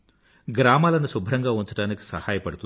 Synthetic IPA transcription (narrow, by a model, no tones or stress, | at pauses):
ɡɾaːmaːlɐnusubʱɾɐŋɡaːunt͡ʃɐɽaːniki̥sɐhaːjɐpɐɽut̪u